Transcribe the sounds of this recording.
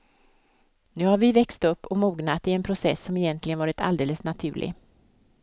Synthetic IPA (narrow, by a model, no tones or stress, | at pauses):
nʉ̟ːhaɾvɪvɛkst̪ɵpːɔmuːɡnat̪ɪɛnpʰɾʊsɛsːɔmɛjɛnt̪ʰlɪɡənvɑːɾɪt̪ʰa̰ld̪eːləsnat̪ʰʉ̟̰ːɭʔɪ̰